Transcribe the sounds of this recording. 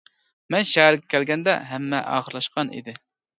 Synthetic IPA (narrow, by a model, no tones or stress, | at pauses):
mɛnʃɛɦæɾɡʲɛkʲʰælɡʲɛnd̪ɛ̰ɦɛmːɛ̰ʔɑ̰ːχəɾlˠɑʃqɑnḭd̪ɪ